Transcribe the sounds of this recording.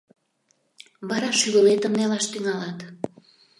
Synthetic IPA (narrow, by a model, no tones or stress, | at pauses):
βɑɾɑʃyɣə̆let̪əmnelɑʃt̪yŋɑlɑt̪